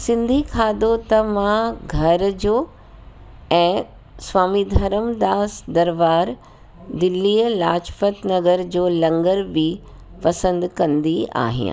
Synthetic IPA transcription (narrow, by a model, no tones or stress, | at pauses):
sɪ̃nd̪ʱikʰaːd̪ot̪ɐʋãɡʱɐɾd͡ʑoː | ɛ̃ː | swaːmid̪ʱɐɾəmd̪aːsd̪ɐɾʋaːɾ | d̪ɪlːiːəlaːt͡ɕfət̪nɐɡəɾd͡ʑoːlɐ̃ŋɡəɾbi | pɐsə̃nd̪kɐ̃nd̪ia̰ːɦḭ̃